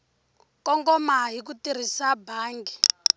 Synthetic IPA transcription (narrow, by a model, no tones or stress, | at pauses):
kɔŋɡɔmaɦik̬utir̤isabʱaːŋɡi